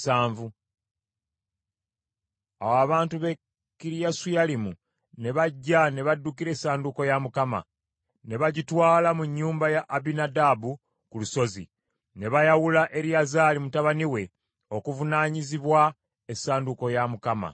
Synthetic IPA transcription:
saːɱvu | a̰waβaːntuβe | kiɾijasujalimu | ne̞βaɟːane̞βadːukiɾe̞ːsaːnduko̞jamukama̰ | ne̞βaɟitwaːlamuɲːuːmbajaʔːbinadabu | kuluso̞zḭ | ne̞βajawulaʔe̞ɾijazaːlimutaβaniwe̞ | okuvunaːɲiziβwa | esaːnduko̞jamukama̰

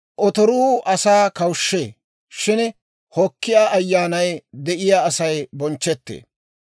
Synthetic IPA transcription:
ʔɔt̪ɔɾuːʔɐsaːkɐwʃːeː | ʃɪn | hɔkːɪjaːʔɐjːaːnɐjd̪ɛʔɪjaːɐsɐjbɔnt͡ʃːɛt̪ːḛː

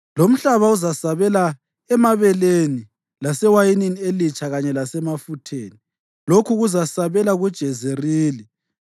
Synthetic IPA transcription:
lom̩ɬaβauzasaβɛla | ɛmaβɛleni | lasɛwajininielit͡ʃʰaɣaɲɛlasɛmafutʰeːni | lokʰuɣuzasaβɛlaɣud̥ʒ̥ʱɛzeriːli

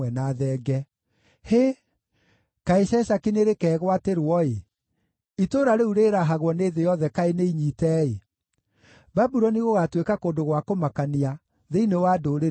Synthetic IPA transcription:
ɛnaðɛːɡɛ | he | kaeʃɛʃakineɾekɛːɣwateɾwɔe | itoɾaɾeuɾeɾaɦaɣwɔneðejɔðɛkaeneiɲiːtɛe | babuɾɔniɣoɣatwekakoːndoɣwakomakania | ðeinewaːdoɾe

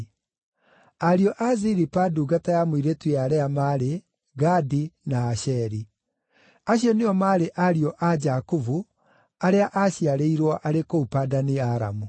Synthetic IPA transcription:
aɾiɔʔaziɾipaduɡatajamwiɾetweaɾɛamaɾe | ɡadinaːɕɛɾi | aɕjɔneɔmaɾeʔaɾiɔʔad͡ʒakuvu | aɾeaʔaɕjaɾeiɾwɔʔaɾekoupadaneaɾa̰mu

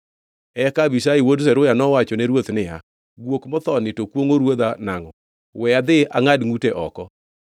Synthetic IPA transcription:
ɛkabisaiwods̬ɛɾʊjanɔwat͡ʃɔnɛɾwot̪nɪja̰ | ɡwokmɔt̪ɔnɪtokwoŋoɾwod̪anaŋɔ | wɛad̪ɪa̰ŋadŋuteʔɔkɔ

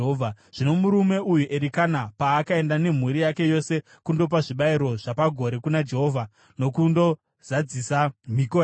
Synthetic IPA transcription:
ɦoa | ʐ̥ino̞muɾume̞ʔujuʔeɾikanapaːkae̞ndane̞m̤uɾijake̞jo̞se̞ | kundo̞p̬aʐiɓaiɾo̞ʐapaɡʱo̞ɾe̞kunad͡ʒe̞ɦo̞ːvʱa | no̞kundo̞ | zad͡zisamikoja

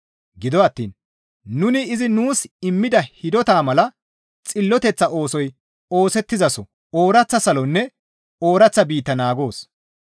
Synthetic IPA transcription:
ɡɪd̪ɔɐt̪ːiːn | nʊnɪɪzɪnuːsɪmːɪd̪ɐhɪd̪ɔt̪aːmɐlɐ | t͡sʼɪlːɔt̪ɛt͡sːɐʔo̞ːsɔj | o̞ːsɛt̪ːɪzɐsɔ | oːɾɐt͡sːɐsɐlɔnːɛ | o̞ːɾɐt͡sːɐbiːt̪ːɐnaːɡo̞ːs

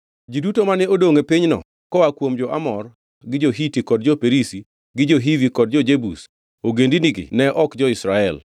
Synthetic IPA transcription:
d͡ʒidutomanɛodoŋepiɲnɔ̰ | kɔwakwomd͡ʒɔʔamɔr | ɡɪd͡ʒoɦitikɔdd͡ʒɔpeɾisi | ɡɪd͡ʒoɦivikɔd̚d͡ʒɔd͡ʒebṵs | oɡendiniɡɪ̰nɛʔɔkd͡ʒɔɪsɾaɛl

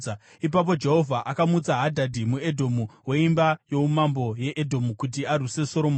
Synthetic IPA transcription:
ip̬ap̬o̞d͡ʒe̞ɦo̞vʱaʔakamud͡zaɦadʱadʱimue̞dʱo̞muwe̞imbajo̞umambo̞je̞ʔedʱo̞mukut̬iaruse̞so̞ɾo̞mo

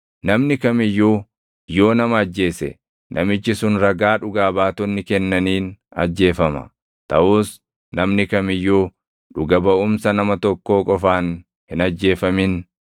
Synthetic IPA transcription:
nɐmnɪkɐmɪjːuː | jo̞ːnɐmɐːd͡ʒːe̞ːsɛ̰ | nʔɐ̰mɪt͡ʃːɪsʊnɾɐɡaːᶑʊɡaːbaːt̪ɔnːɪkɛnːɐniːnɐ̰d͡ʒːe̞ːfɐmɐ̰ | t̪ɐʔuːs | nɐmnɪkɐmɪjːuː | ᶑʊɡɐbɐʔʊmsɐnɐmɐt̪ɔkːo̞ːkʼɔfaːn | hɪnɐd͡ʒːe̞ːfɐmɪn

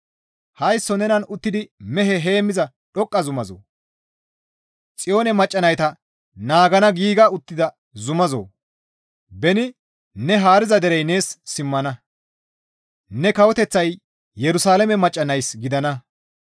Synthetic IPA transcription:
hɐjsːɔnɛnɐnʊt̪ːɪd̪ɪmɛɦɛɦe̞ːmːɪzɐ | ɗɔkʼːɐzʊmɐzo̰ː | t͡sʼɪjo̞ːnɛmɐt͡ʃʼːɐnɐjt̪ɐ | naːɡɐnɐɡiːɡɐʊt̪ːɪd̪ɐ | zʊmɐzo̰ː | bɛnɪ | nɛɦaːɾɪzɐd̪ɛɾɛjne̞ːssɪmːɐnɐ | nɛkɐwɔt̪ɛt͡sːɐj | jɛɾʊsaːlɛmɛmɐt͡ʃʼːɐnɐjsɡɪd̪ɐnɐ

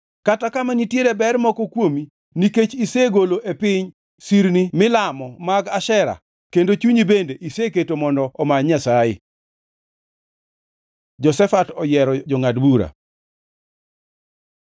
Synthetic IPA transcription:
katakamanitjeɾebɛrmɔkɔkwomi | niket͡ʃiseɡoloʔepɪɲ | siɾnimɪlamɔmaɡaʃɛɾa̰ | kendot͡ʃuɲibendeʔiseketomɔndɔɔmaɲasajɪ̰ | d͡ʒɔsɛfatɔjɛɾɔd͡ʒɔŋadbuɾa̰

